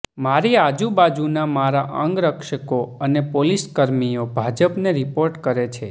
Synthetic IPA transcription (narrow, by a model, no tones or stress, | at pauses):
maɾiad͡ʒubad͡ʒunamaɾaʔə̰̃ŋɡɾəkʃəkoənepoliskəɾmijobʱad͡ʒəpneɾipoɾʈkəɾet͡ʃʰe